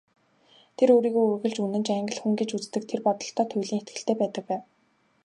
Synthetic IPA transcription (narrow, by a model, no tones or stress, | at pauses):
t̪ʰeɾoːɾiːɣoːuɣɘ̆ɮt͡ɕunɘ̆t͡ɕaŋɡə̆ɮxuŋɡet͡ɕut͡st̪ɘ̆k̚t̪ʰerpɔt̪ɞ̆ɬt̪ʰɔːt̪ʰʊjɮiːŋxet̪̚ɡɘ̆ɬt̪eːpæːt̪ə̆k̚pæːw